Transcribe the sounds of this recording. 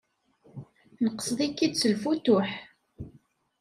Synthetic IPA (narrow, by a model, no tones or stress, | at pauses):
nəqːə̥sˤðˤikːid̪t͡sːəlfut̪ʊħ